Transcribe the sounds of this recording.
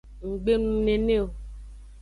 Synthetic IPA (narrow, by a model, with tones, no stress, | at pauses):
ŋ̩˨ɡ͡be˦nũ˦ne˨ne˦o˨